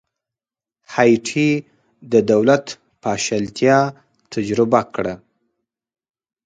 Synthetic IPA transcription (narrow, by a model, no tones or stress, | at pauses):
hɑjʈʰi | d̪əd̪awlat̪ | pɑʃalt̪jɑ | t̪ʰad͡ʒɾɪbakɽa